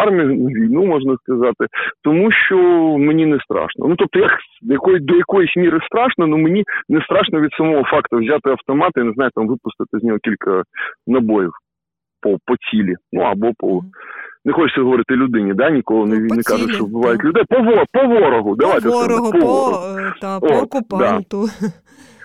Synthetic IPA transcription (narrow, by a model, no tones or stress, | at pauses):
ɑrmʲijʊnɐʋʲijnumɔʐnɐskɐzɑt̪ɪt̪ɔmuʃt͡ʃɔmenʲinɛst̪ɾɑ̰ʃnɐ̰nut̪ɔp̚t̪ɔjɐkd̪jɐkɔjd̪ɔjɐkɔjisʲmʲiɾɨst̪ɾɑʂnɐnumenʲinɛst̪ɾɑʂnɔʋʲid̪sɐmɔɦɔfɑkt̪ʊwzʲat̪ɪɐwt̪ɔmɑt̪ɪinɪznɑjt̪amʋɪpʊst̪ɪt̪ɪzʲnʲɔɦɔkʲilʲkɐnɐbɔjiw | pɔpɔtʲilʲinuɐbɔpɔ | nɛxɔt͡ʃsʲɐɦɔʋɔɾɪt̪ɪɔlʲʊd̪ɪnʲid̪anʲikɔlˠɔnenɛkaʐʊtʲʃt͡ʃɔʋbɪʋɑjʊtʲlʲʊd̪ɛjpɔʋɔpɔʋɔɾɔɦʊd̪ɐʋajt̪ɛsɪmɪpɔʋɔɾɔ̰ɦʊot̪d̪a